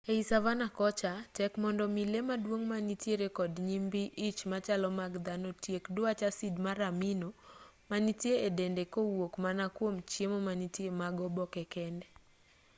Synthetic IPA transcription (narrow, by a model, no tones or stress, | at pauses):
eisavanakɔt͡ʃatɛkmɔndɔmilemadwoŋmanitjeɾekɔdɲimbiʔit͡ʃmat͡ʃalɔmaɡd̪anotjekdʊat͡ʃasidmaɾamino | manitjeedendekowokmanakwomt͡ʃjemomanitjemaɡɔbɔkɛkɛndɛ